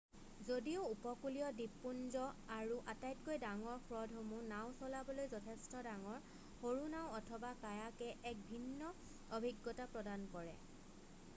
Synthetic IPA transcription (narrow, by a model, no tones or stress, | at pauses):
zodioupɔkulijɔdipːunzɔaɹuʔatajtkojdaŋɔɹxɹɔdʱɦomũnawsɔlabɔlojzɔtʰɛstɔdaŋɔɹ | xoɹunawɔtʰɔbakajakɛʔɛk̚bʱinːɔ | obʱiɡːɔtapɹɔdankɔɹɛ